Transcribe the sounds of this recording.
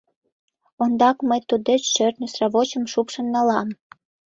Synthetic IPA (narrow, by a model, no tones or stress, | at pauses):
ond̪ɑkməjt̪ud̪et͡ɕʃørt̪nəsrɑβot͡ɕə̆mʃupʃə̆nːɑlɑm